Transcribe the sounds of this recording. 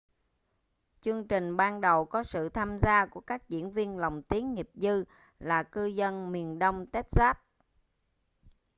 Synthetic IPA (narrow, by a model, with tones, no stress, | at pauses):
t͡ɕɨ˧əŋt͡ɕï˨˩ŋ̟ɓaː˧nɗə˨˩wkɔ˨˦sɨ̰˧˨t̪ʰaː˧mzaː˧ku˧˩əkaː˦˥k̚zḭ˧˥ənvi˧ənlə˨˩wŋ͡mt̪i˨˦ənŋi˨˩əp̚zɨ˧ | laː˨˩kɨ˧zə˧nmi˨˩ənɗə˧wŋ͡mt̪ɛ˦˥t̚z̥aː˦˥p̚